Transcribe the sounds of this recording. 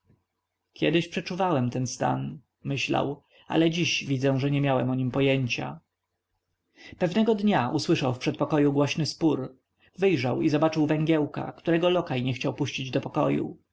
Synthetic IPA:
kʲjɛd̪ɘɕpʂɛt͡ʂuvawɛmt̪ɛnst̪a̰n | mɘɕla̰w | a̰lɛd͡ʑiɕvʲid̪zɛ̃ʐɛɲɛmʲjawɛmɔɲimpɔjeɲt͡ɕa̰ | pɛvnɛɡɔd̪ɲaʔuswɘʂawfpʂɛt̪̚pɔkɔjuɡwɔɕnɘspuɾ | vɘjʐawizɔbat͡ʂɘwvɛŋɡʲjɛwka̰kt̪uɾɛɡɔlɔkajɲɛxt͡ɕawpuɕt͡ɕid͡ʑd̪ɔpɔkɔ̰jṵ

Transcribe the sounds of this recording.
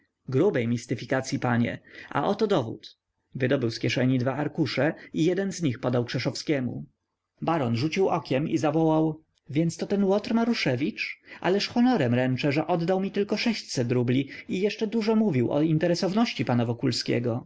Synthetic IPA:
ɡɾubɛjmʲist̪ɘfʲikat̪sʲjipaɲɛ̰ʔa̰ʔɔt̪ɔd̪ɔvṵt̪ | vɘd̪ɔbɘwskʲɛʂɛɲid̪vaaɾkuʂɛijɛd̪ɛnzɲixpɔd̪awkʂɛʂɔfskʲɛmṵ | baɾɔnʐut͡ɕiwʔɔkʲɛmḭzavɔwaw | vʲjɛnt̪st̪ɔt̪ɛnwɔt̪ɾmaɾuʂɛvʲit͡ʂa̰lɛʂxɔnɔɾɛmɾɛnt͡ʂɛʐɛʔɔd̪ːawmʲit̪ɘlkɔʂɛɕt͡ɕsɛt̪̬ɾublʲiijɛʂt͡ʂɛd̪uʐɔmuvʲiwɔ̰int̪ɛɾɛsɔvnɔɕt͡ɕipanavɔkulskʲɛ̰ɡɔ

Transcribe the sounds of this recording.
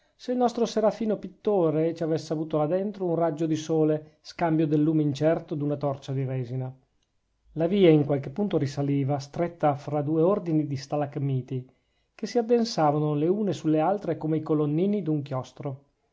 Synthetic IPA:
seilnɔst̪ɾoseɾafiːnopit̪ːoːɾet͡ʃiavesːeavuːt̪olad̪ent̪ɾounrad͡ʒod̪isoːleskambjod̪elːuːmeint͡ʃɛrt̪od̪unat̪ɔrt͡ʃad̪iɾɛːzina | laviːaiŋkwalkepːunt̪oɾisaliːvast̪ɾet̪ːafɾad̪uːeord̪inid̪ist̪alakmiːt̪i | kesiad̪ːensaːvanoleuːnesulːealt̪ɾekomeikolonːiːnid̪uŋkjɔst̪ɾo

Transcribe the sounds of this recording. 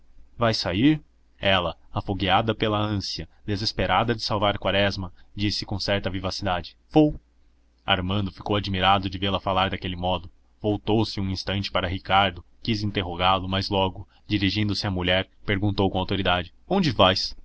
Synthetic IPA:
vajsaiɾ | ɛlɐafoɡiad̪ɐpelɐɐ̃siɐd̪ezespeɾʔad̪ɐd͡ʒɪsawvaɾkwaɾɛzmɐd͡ʒisɪkõsɛɾt̪ɐvivasid̪ad͡ʒɪ̥ | vow | a̰ɾmɐ̃nd̪ʊfi̥kowad͡ʒmiɾad̪ʊd͡ʒɪvelɐfalaɾd̪akelɪmɔd̪ʊ | vowt̪owsɪũĩst̪ɐ̃nt͡ʃɪ̥paɾɐɦikaɾd̪ʊ | kizĩnt̪eɦoɡaɾlʊmɐzlɔɡʊ | d͡ʒiɾiʒĩnd̪ʊsɪɐmuʎɛɾpeɾɡũnt̪owkõawt̪oɾid̪ad͡ʒɪõñd͡ʒɪvajs

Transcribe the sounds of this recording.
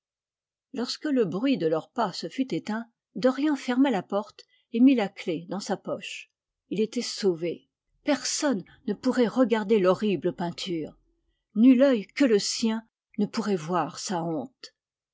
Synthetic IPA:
lɔʁskələbʁɥid̪əlœʁpasəfyt̪et̪ɛ̃ | d̪ɔʁjɑ̃fɛʁmalapɔʁt̪ | emilakled̪ɑ̃sapɔʃ | ilet̪ɛsove | pɛʁsɔnːəpuʁɛʁəɡaʁd̪elɔʁibləpɛ̃t̪ʰyːʁ | nylœjkələsjɛ̃ | nəpuʁɛvwaʁsaɔ̃t̪

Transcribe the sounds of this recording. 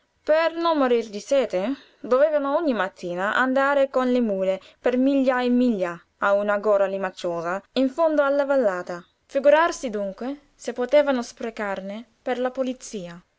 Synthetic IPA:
pɛrnɔnmːoɾird̪isɛːt̪ɪ | d̪ovɛːvanʊɔɲːimat̪ʰːiːnaʔa̰nd̪aːɾɪkonlɪmuːlɪ | pɛrmiʎːaemːiʎːa | aunaɡɔːɾalimat͡ʃːɔːzaiɱfond̪oalːavalːaːt̪a | fiɡuɾarsid̪uŋkwɪ | sɪpːot̪ɛːvanʊspɾekarnɪperlapolit̪siːa

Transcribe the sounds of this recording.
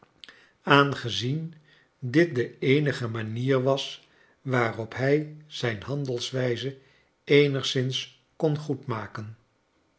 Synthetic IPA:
aːnχəzin | dɪt̚dəejnəχəmaːniːɹʋɑs | ʋaːrɔpɦɛjz̥ɛjnɦɑndəlˠsʋɛjzə | ejnəχsɪns | kɔnχutmaːkən

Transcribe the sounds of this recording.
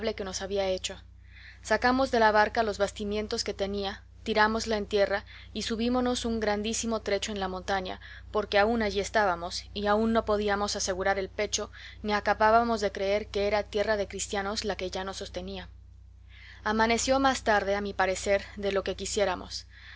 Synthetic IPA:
βle̞ke̞no̞saβiaet͡ʃo̞ | sakamo̞zðe̞laβaɾkalo̞zβast̪imje̞nt̪o̞ske̞t̪e̞nia | t̪iɾamo̞zlaent̪je̞ra | isuβimo̞no̞suŋɡɾand̪isimo̞t̪ɾe̞t͡ʃoe̞nlamo̞nt̪aɲa̰ | po̞ɾke̞aunaʝie̞st̪aβamo̞siaunːo̞po̞ðiamo̞sase̞ɣuɾaɾe̞lpe̞t͡ʃo̞niakaβaβamo̞zðe̞kɾe̞e̞ɾke̞eɾat̪je̞raðe̞kɾist̪jano̞zlake̞ʝano̞sːo̞st̪e̞nia | amane̞sjo̞mast̪aɾðe̞amipaɾe̞se̞ɾðe̞lo̞ke̞kisje̞ɾamʔo̰s

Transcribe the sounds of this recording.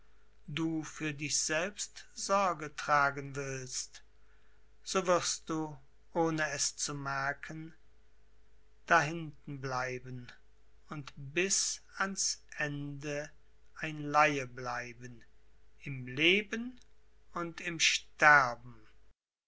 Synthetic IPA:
duːfyːɐdɪçz̥ɛlpstz̥ɔɐɡətʁ̥aːɡənvɪlst | z̥oːvɪɐst̚d̥uː | ʔoːnəɛst͡sumɛɐkʰən | d̥aɦɪntn̩blaɪbən | ʊntbɪsansʔɛndə | ʔaɪnlaɪəblaɪbən | ɪmleːbən | ʊntɪmʃtɛʁbm̩

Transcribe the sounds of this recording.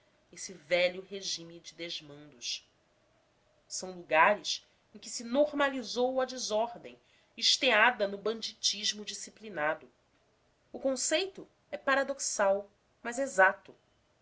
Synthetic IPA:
esivɛʎʊɦeʒĩmid͡ʒɪd̪eʒmɐ̃nd̪ʊʃ | sɐ̃w̃luɡaɾɪs | ẽj̃kɪsinoɾmalizowɐd͡ʒɪzɔɾd̪ẽj̃ | iʃt̪ead̪ɐnʊbɐ̃nd͡ʒit͡ʃiʒmʊd͡ʒisiplinad̪ʊ | ʊkõsejt̪ʊ | ɛpaɾad̪oksaw | mɐzezat̪ʊ

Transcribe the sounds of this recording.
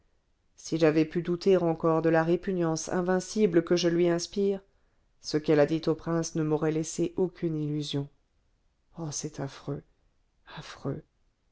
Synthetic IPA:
siʒavɛpyd̪ut̪eʁɑ̃kɔʁd̪əlaʁepynjɑ̃sɛ̰̃vɛ̃sibləkəʒəlɥiɛ̃spiːʁ | səkɛlad̪it̪opχɛ̃snəmɔʁɛlɛseʔokʰʲynilyzjɔ̃ | ɔsɛt̪ʰafχø | afχø

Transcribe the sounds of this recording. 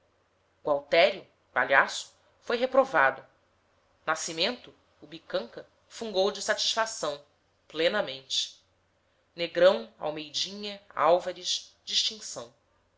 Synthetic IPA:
uawt̪ɛɾjʊ | pa̰ʎasʊ̥ | fojɦepɾovad̪ʊ | nasimẽnt̪ʊː | bikɐ̃ŋkɐ | fũŋɡowd͡ʒɪsat͡ʃi̥ʃfasɐ̃w̃ | plenɐmẽnt͡ʃɪ̥ | neɡɾɐ̃w̃a̰wmejd͡ʒĩɲɐa̰wvɐɾiʃd͡ʒiʃt͡ʃĩŋsɐ̃w̃

